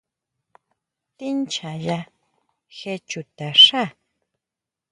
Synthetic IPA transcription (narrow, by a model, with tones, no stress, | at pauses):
t̪i˦nt͡ʃa˨ja˧ | xe˧t͡ʃu˨t̪a˨ʂa˦˨